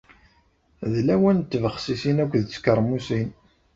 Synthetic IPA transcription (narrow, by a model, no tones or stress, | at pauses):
ðlæwænt̪ːvəχsisinækʷːðt͡sːkəɾˤmusin